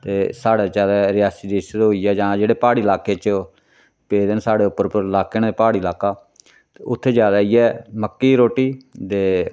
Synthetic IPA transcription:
t̪eːsaːɽaːt͡ʃaːd̪aːɾɪjaːsiːd̪eːsd̪ɦoːiːɛːd͡ʒãːd͡ʒeːɽeːpaːɽiːlaːkeːt͡ʃ | peːd̪ənsaːɽeːʊpːəɾpəɾlaːkeːnd̪eːpaːɽiːlaːkaː | t̪eːʊt̪ʰːeːd͡ʒjaːd̪aːiːɛːməkːiːɾoːʈiːd̪eː

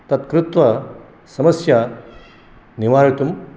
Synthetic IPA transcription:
t̪ɐt̪kɾut̪ʋɐ | sɐmɐsja | niʋaːɾit̪um

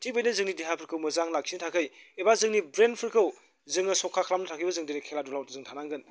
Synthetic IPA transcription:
tʰik̚bəjnɯzɯŋnidiɦapʰɯɾkʰɯwmɯzaŋlak̚sinɐtʰakʰɯjebazɯŋnibɾenpʰɯɾkʰɯw | zɯŋɐsɔkʰakʰlamnɐtʰakʰijbɐzɯŋdinikʰeladulawtɯzɯŋtʰanaŋɡɯn

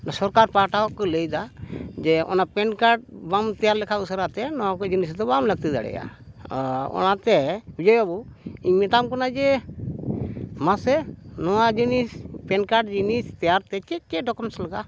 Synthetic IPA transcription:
sɔɾkaɾpaʈaɔkːɔləjd̪ad͡ʒɛɔ̰napɛnkaɾʈ̚bamt̪ɛjaɾlɛkʰausəɾat̪ɛnɔwakɔd͡ʒinisd̪ɔbamləɡ̚t̪ɛd̪a̰ɽɛ̰ja̰ | ɔ̰nat̪ɛbid͡ʒɔjabu | iɲmɛt̪amkɔnad͡ʒɛ | masɛnɔwad͡ʒinispɛnkaʈd͡ʒinist̪ɛjaɾt̪ɛt͡ʃɛt͡ʃɛɖɔkɔmslɛɡa

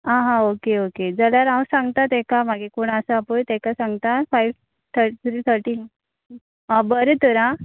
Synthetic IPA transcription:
ãɦãokeoked͡zəljaɾãwsãŋɡt̪at̪ɛ̃kamaɡekoɽ̃asəapojt̪ɛ̃kasãŋɡt̪afajʋ | t̪ʰəɾʈit̪ʰɾiːt̪ʰəɾʈiː | abəɾet̪əɾã

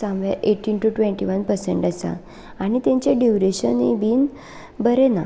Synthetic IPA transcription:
sãmʋjaʔeʈːiːnʈuʈʋẽɳʈiʋənpəɾseɳʈəsa̰ | añit̪ẽɲt͡ɕeɖiʋɾeɕənibiːn | bəɾena̰

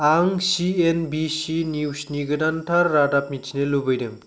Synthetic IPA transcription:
aŋsienbisiniwsniɡɯdantʰaɾːadapmit͡ʃʰinelubɯjdɯm

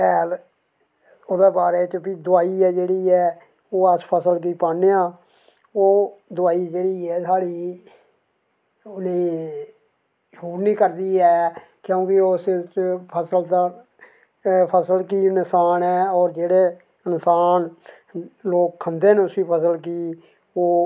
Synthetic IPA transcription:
ɛːl | od̪eːbaːɾeːt͡ʃbiːd̪ʊaːiːɛːd͡ʒeːɽiːɛː | oːəspʰəsəlk̬iːpaːneãː | oːd̪ʊaːiːd͡ʒeːɽiːɛːsʰaːɽiː | ʊnẽː | ʃuːɾnĩːkəɾd̪iːɛː | kjõːkɪoːst͡ʃpʰəsəlt̪aː | pʰəsəlkiːnɪsaːnɛːɔːɾd͡ʒeːɽeː | ɪnsaːn | loːkkʰənd̪eːneʊsiːpʰəsəlk̬iː | oː

